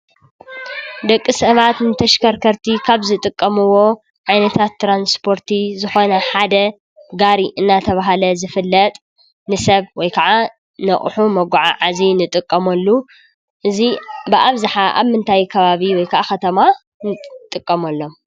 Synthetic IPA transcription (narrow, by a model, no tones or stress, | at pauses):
d̪ɐkʼːisɐβat̪nɨt̪ʰɐʃkʰɐɾkʰɐɾt̪ʰikʰaβzɨt̪ʼɨkʼːɐmɨwo̞ | ʕajnɐt̪ʰat̪ːɾanspʰo̞ɾt̪ʰizɨxo̞nɐħad̪ɐ | ɡaɾiʔɨnːat̪ʰɐβaɦalɐzɨfɨlːɐt̪ʼ | nɨsɐβwɔjkʰɐʕa | nɐχʼħumɐɡʷʊʕaʕazinɨt̪ʼɨkʼːɐmɐlːu | ʔɨzibɨʔaβzaħaʔa̰βmɨnt̪ʰajkʰɐβaβiwɔjkʰɐʔaxɐt̪ʰɐma | nɨt̪ʼɨkʼːɐmɐlːo̞m